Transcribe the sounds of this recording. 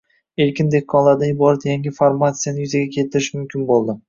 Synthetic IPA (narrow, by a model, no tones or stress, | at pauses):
e̞ɾkʲʰɪnd̪e̞kʰːɒnlˠaɾd̪aɪbɒɾat̪jaŋɡʲɪfaɾmat̪sijanɪjʏzaɡʲakʲʰe̞t̪ʰɪɾɪʃmʊmkʲʰɪnbolˠd̪ɪ